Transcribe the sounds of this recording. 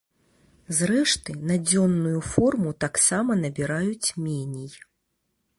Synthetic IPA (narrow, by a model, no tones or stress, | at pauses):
zrɛʂt̪ɨnad͡zʲɔnːujufɔrmut̪aksamɐnɐbʲiɾajut͡sʲmʲɛnʲij